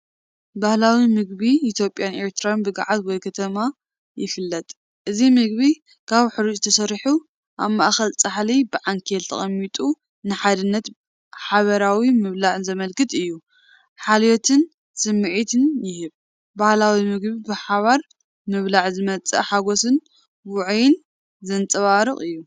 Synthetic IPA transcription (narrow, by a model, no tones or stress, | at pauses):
bahlawimɨɡbiːt̪ʰjopʼjane̞ɾt̪ʰɨɾanbɨɡa̰ʕat̪wɔjkʰɐt̪ʰɐma | jɪ̰fɨlːɐt̪ʼ | ʔɨzimɨɡ̚βi | kʰaβħɨɾid͡ʒɨt̪ʰɐsɐɾħu | ʔaβmaʔxɐlt͡sʼaħlibɨʕaŋkʰelt̪ʰɐ̰χʼɐmːit̪ʼu | nɨħad̪ɨnːɐt̪ | ħaβɐɾawimɨβlaʕɨnzɐmɐlkɨt̪ʼɨjːu | ħaljot̪ʰɨn | sɨmːɨʕit̪ʰɨnjɪhɨβ | bahlawimɨɡbibɨħaβaɾ | mɨβlaʕzɨmɐt͡sʼɐ̰ħaɡo̞sɨn | wʊʕjɪn | zɐnt͡sʼɐβaɾɨχʼɨjːu